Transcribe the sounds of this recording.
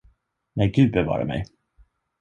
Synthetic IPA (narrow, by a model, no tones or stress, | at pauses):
næjɡʉ̟ːd̪̚bɛvɑ̰ːɾa̰mɛ̰j